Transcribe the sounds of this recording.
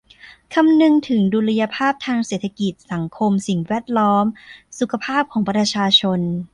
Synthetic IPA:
kʰa˧mnɯ˧ŋt̪ʰɯ˩˦ŋduː˧la˧ja˧pʰaː˥˩p̚t̪ʰaː˧ŋseː˨˩t̪ʰa˧ki˨˩t̪̚sa˩˦ŋkʰo˧msi˨˩ŋwɛː˥˩t̪̚lɔː˦˥msu˨˩kʰa˧pʰaː˥˩p̚kʰɔː˩˦pɾa˧t͡ɕʰaː˧t͡ɕʰo˧n

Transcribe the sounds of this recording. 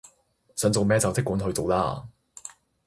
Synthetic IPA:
sœː˨˥ŋt͡so˨wmɛː˥t͡sɐ˨wt͡sɪ˥kːuː˨˥nɦɵ˧ɥt͡so˨wlaː˥˧

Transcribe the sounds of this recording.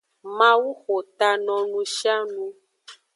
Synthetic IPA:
mã˦wu˦xo˨t̪a˧nɔ̃˨nũ˧ʃa˦nũ˧

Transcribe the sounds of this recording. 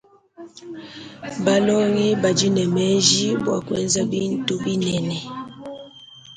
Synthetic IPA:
ba˨lɔ˦ɣi˦ba˨d͡ʒi˦nɛ˨mɛ˦ʒi˦bwa̰˨kwɛ˦nza˦bi˦n˦tu˦bi˦nɛ˨nɛ˨

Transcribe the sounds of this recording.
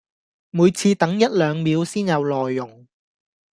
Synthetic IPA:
muː˨˧jt͡sʰiː˧t̪ɐ˨˥ŋjɐ˥t̚lœː˨˧ŋmiː˨˧wsiː˥njɐ˨˧wlɔː˨jːʊ˨˩ŋ

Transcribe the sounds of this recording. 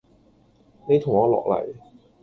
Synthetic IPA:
ne˨˧jt̪ʰʊ˨˩ŋɔː˨˧lɔ̰ː˨k̚lɐ̰˨˩j

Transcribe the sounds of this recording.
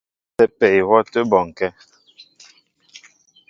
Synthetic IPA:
ɛ˦pɛ˨i˨wɔ˦tə˦bɔ˨ŋ˨kɛ˦

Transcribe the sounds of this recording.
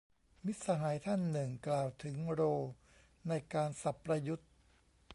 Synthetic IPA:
mi˦˥t̪̚sa˧ɦaː˩˦jt̪ʰa˥˩nːɯ˨˩ŋklaː˨˩wt̪ʰɯ˩˦ŋɾoː˧ | na˧jkaː˧nsa˨˩pːɾa˧ju˦˥t̪̚

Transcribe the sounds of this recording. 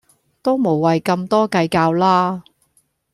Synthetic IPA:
t̪o˥wmo˨˩wːɐ˨jkɐ˧mt̪ɔː˥kɐ˧jkaː˧wlaː˥

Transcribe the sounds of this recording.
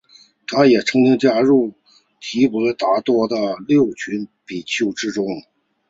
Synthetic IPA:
t̪ʰa˥jɛ˨˩ʈ͡ʂʰɤ˧˥ŋt͡ɕi˥ŋt͡ɕja˥ɻu˥˩ | t̪ʰi˧˥pu˨˩lt̪a˧˥t̪wɔ˥d̪ə˨ljo˥˩ʊt͡ɕʰy˧˥npi˨˩t͡ɕʰjo˥˩ʊʈ͡ʂɻ̩˥ʈ͡ʂʊ˥ŋ

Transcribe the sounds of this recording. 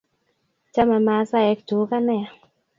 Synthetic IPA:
t͡ʃa˦ma˨ma˨˦sa˦ɛ˨˦ktu˨˦ka˦nɛ˦a˨

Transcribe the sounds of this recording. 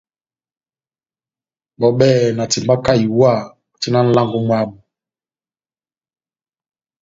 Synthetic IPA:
ɓɔ˨ɓɛː˦˨na˨ti˨mba˦ka˦˨i˨wa˦˨ | ti˦na˦n̩˦la˦ŋɡɔ˦ŋwa˦˨ɓu˨

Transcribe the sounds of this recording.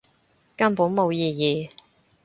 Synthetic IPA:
kɐ˥mpuː˨˥nmo˨˧wjiː˨˩jiː˨˩

